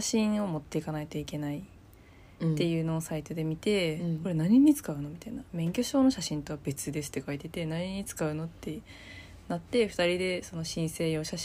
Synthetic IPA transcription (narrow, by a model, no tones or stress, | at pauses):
aɕĩɰ̃o̞mo̞t̪ːe̞ikanait̪oike̞nai | t̪ːe̞jɯ̟ːno̞ːsait̪o̞d̪e̞mʲit̪e̞ko̞ɾe̞naɲ̟iɲ̟it͡sɨ̥kaɯ̟no̞mʲit̪ainamẽ̞ŋkʲo̞ɕo̞ːno̞ɕaɕĩnt̪o̞βabe̞t͡sɨd̪e̞sɨ̥t̪ːe̞kait̪e̞t̪e̞naɲ̟iɲ̟it͡sɨ̥kaɯ̟no̞t̪ʰːe̞ | nat̪ːe̞ɸɯ̟t̪aɾʲid̪e̞so̞no̞ɕĩɰ̃se̞ːjo̞ɕaɕ